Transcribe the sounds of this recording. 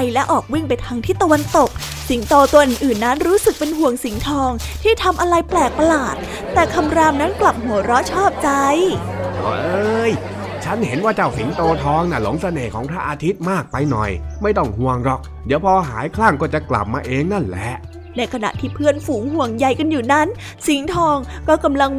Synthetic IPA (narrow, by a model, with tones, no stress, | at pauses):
a˧jlɛ˦˥ʔɔː˨˩k̚wi˥˩ŋpa˧jt̪ʰaː˦˧˥ŋt̪ʰiː˥˩t̪a˧wa˧nt̪o˨˩k̚ | si˩˦ŋt̪oː˧t̪u˧əʔɯː˨˩nʔɯː˨˩nːa˦˥nɾuː˦˥sɯ˨˩k̚pe˧nɦu˨˩əŋsi˨˩˦ŋt̪ʰɔː˧ŋt̪ʰiː˥˩t̪ʰa˧mʔa˧ɾa˧jplɛː˨˩k̚pa˧laː˨˩t̪̚ːɛː˨˩kʰa˧mɾaː˧mna˦˥nkla˨˩p̚hu˨˩˦ɾɔ˦˥t͡ɕʰɔː˥˩p̚t͡ɕa˧j | ʔɔ̰ː˨˦˩ʔɤː˧j | t͡ɕʰa˦˥nhe˩˦nwaː˥˩t͡ɕa˧˩wsi˨˩˦ŋt̪oː˧t̪ʰɔː˧ŋna˧˥˩lo̰˨˩˦ŋsa˧neː˨˩kʰɔ̰ː˩˦ŋpʰɾa˦˥ʔaː˧t̪ʰi˦˥t̪̚maː˥˩k̚pa˧jnɔ̰˨˩jma˥˩jt̪ɔ˥˩ŋhu˧əŋɾɔ˦˥k̚ | diː˨˦əwpʰɔː˧ɦa̰ː˨˩˦jkʰlaː˥˩ŋkɔː˥˩t͡ɕa˨˩kla̰˨˩p̚maː˧ʔeː˧ŋna˥˩nlɛ̰˨˦˥ʔ | na˧jkʰa˧na̰˨˩ʔt̪ʰiː˥˩pʰɯ˥˩ənfuː˩˦ŋɦu˨˩əŋja˨˧jka˧njuː˨˩na˦˥˩n | si˩˦ŋt̪ʰɔː˧ŋkɔː˥˩ka˧mla˧ŋ